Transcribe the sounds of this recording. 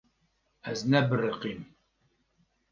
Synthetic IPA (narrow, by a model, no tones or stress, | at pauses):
æ̰znæbərəqim